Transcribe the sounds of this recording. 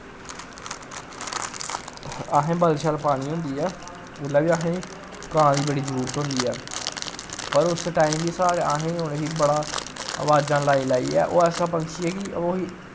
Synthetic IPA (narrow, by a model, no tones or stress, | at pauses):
aɦẽːbəlʃaːlpaːɽ̃iːɦʊ̃nd̪iːɛː | ɪlaːbiːaɦẽː | kãːdiːbəɽiːzəɾuːɾt̪ɦʊ̃nd̪iːɛː | pəɾʊsʈaːiːmbiːsaːɾeaːɦẽːʊneɦiːbəɽaːə̰ʋaːd͡ʒãːlaːiːlaːḭːɛ̰ːʔoːɛːsãːpəŋt͡ʃiɛːkɪoiː